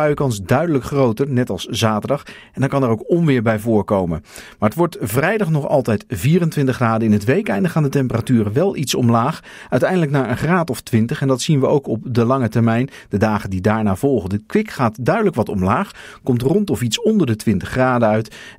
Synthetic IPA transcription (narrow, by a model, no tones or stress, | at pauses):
œɥəkɑnsdœɥdələkχrowtəɹnɛtɑlˠszaːtəɹdɑχ | ɛndaːkɑnɛɾowkɔmʋɪːɹbɛjvʊːɹkowmə̰nmaːɹətʋɔɹtvrɛjdɑχnɔχɑ̰lˠtɛjtviːrəntʋɪntəχraːdənɪnɦətʋejkɛjndləχaːndətɛmpəratyːrəʋɛlˠʔitsɔ̰mlaːχ | œɥtɛjndələknaːɹənχraːtɔftʋɪntəχɛndɑtsinʋəowkɔp̚dəlɑŋətɛɹmɛjn | d̥ədaːχəndidaːɹnaːv̥ɔlˠχəndəkʋɪkχaːtdœɥdələkʋɑtɔmlaːχkɔmtrɔntɔfitsɔndəɹdətʋɪntəχraːdəœɥt